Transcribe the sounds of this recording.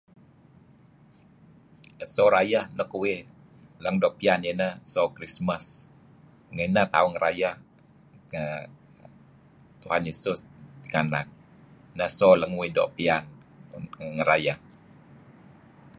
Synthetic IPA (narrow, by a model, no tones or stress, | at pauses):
əsoɾajahnəkuwɪ | ləŋdɔʔpianjenəsokɾisməs | ŋənət̪auŋəɾʔajah | ə | t̪uhanesʊst̪iŋanak̚ | nəhsɔləŋwidɔ̰ʔpian | ŋəɾajah